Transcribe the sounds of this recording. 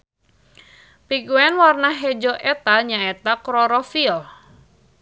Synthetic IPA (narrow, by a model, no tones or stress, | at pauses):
piɡuɛnwarnaɦɛd͡ʒɔʔɛt̪aɲaet̪akɾɔɾɔfiɔl